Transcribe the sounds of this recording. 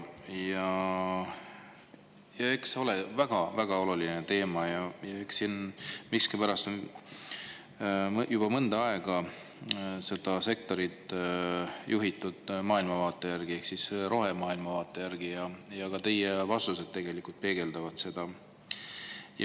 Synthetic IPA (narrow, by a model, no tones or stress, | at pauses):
jɑ | jɑe̞kseo̞levæɡ̥ɑvæɡ̥ɑo̞lulinet̪e̞ːmɑjɑjɑe̞ksinmikskipæɾɑst̪on | jub̥ɑmɤnd̪ɑɑe̞ɡ̥ɑ | se̞d̪̥ɑse̞k̚t̪o̞ɾid̪ | jʔuɦit̪ːˑud̪̥mɑːilmɑvɑːt̪ːˑe̞jærɡ̥ie̞hksisɾo̞ɦe̞mɑːilmɑvɑːt̪ːˑejærɡ̥ijɑjɑɡ̥ɑt̪e̞jevɑst̪use̞d̪̥t̪e̞ɡ̥e̞likult̪̚pe̞ːɡ̥e̞ld̪̥ɑvɑt̪se̞d̪̥ɑ | j